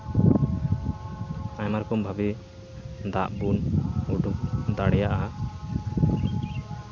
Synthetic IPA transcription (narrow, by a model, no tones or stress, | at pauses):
ajmaɾkɔmbʱabi | d̪aʔbunuɖuk̚d̪aɽɛjaʔa